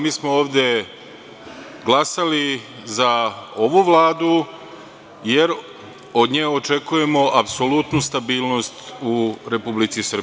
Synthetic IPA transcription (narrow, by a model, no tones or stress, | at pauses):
miːsmooːʋd̪ʲje̞ | ɡlˠasalizao̞ʋuʋlˠaːd̪u | je̞ɾ | o̞d̪ɲeːo̞t͡ʃe̞kuje̞mo̞ʔapso̞lut̪nust̪abiːlˠno̞st̪uɾe̞publit̪sisr̩